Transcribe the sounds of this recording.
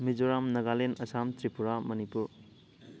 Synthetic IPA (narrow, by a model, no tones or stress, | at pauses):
mid͡ʒoɾamnɐɡalenɐsamtɾipuɾamɐnipuɾ